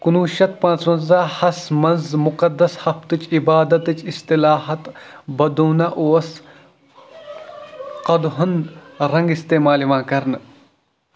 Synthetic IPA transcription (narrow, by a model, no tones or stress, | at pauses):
kunuːʃɐt̪̚pãːt͡smɐnzaːhɐsmɐnzmʊqɐd̪ːɐshɐft̪ɨt͡ʃibaːd̪ɐt̪ɨt͡ʃist̪ɪlaːɦɐt̪bɐd̪uːnɐʔoːɐs | qɐd̪ɦʊnɾɐ̃ŋɡist̪eːmaːliʋãːkɐɾnɨ